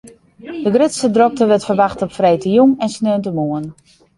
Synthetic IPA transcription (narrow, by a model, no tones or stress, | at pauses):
dəɡrɪtsədrɔk̚təʋɛtfərʋaxtɔpfrejtəjuŋɛnsnøəntəmuən